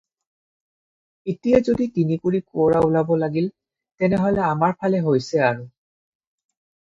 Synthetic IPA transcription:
itijazoditinikuɹikʊɔɹaulabɔlaɡil | tɛnɛɦɔlɛamaɹpʰalɛɦojsɛaɹu

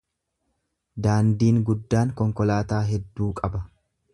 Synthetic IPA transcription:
d̪aːnd̪iːŋɡʊd̪ːaːŋkɔŋkɔlaːt̪aːɦɛd̪ːuːkʼɐbɐ

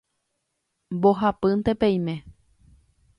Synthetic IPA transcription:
mboɦapɨnt̪epẽĩmẽ

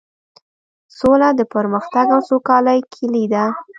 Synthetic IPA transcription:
solad̪əpəɾməxt̪aɡawsokɑləjkʰilid̪a

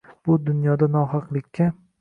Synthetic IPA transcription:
b̥ʊd̪ʊnjɒd̪anɒɦɑqlˠɪkʲːa

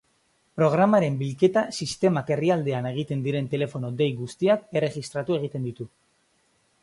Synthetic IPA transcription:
pɾo̞ɣ̞ɾamaɾe̞mbilke̞t̪asist̪e̞make̞riald̪e̞ane̞ɣ̞it̪e̞nd̪iɾe̞nt̪e̞le̞fo̞nod̪e̞jɣust̪iake̞re̞ɣist̪ɾat̪ue̞ɣ̞it̪e̞nd̪it̪u

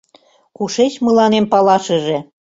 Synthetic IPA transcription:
kuʃet͡ɕmɤ̆lɑnempɑlɑʃɤ̆ʒĕ

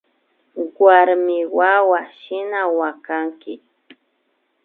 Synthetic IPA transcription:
ɡwaɾmɪwawaʃɪnawakaŋkɪ

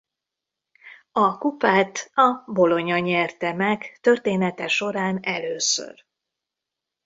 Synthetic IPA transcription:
ɒkupaːt̪ɒbo̞lo̞ɲɒɲɛrt̪ɛmɛkt̪ø̞rt̪eːnɛt̪ɛʃo̞ɾaːnɛløːsø̰r

